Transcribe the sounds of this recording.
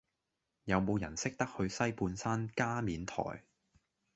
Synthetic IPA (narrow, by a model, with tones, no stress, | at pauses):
jɐ˨˧wmo˨˧wjɐ˨˩nsɪ˥k̚t̪ɐ˥k̚hɵ˧ɥsɐ˥jpuː˧nsaː˥nkaː˥miː˨˧nt̪ʰɔ̰ː˨˩j